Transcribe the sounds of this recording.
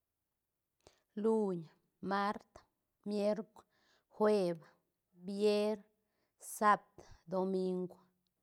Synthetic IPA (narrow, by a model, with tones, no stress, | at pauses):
lu˦ɲ | ma˦ɾt̪ | mje˦ɾkʷ | xwe˧b | bje˦ɾ | sa˦b̚t̪d̪o˧mi˦˧ŋɡʷ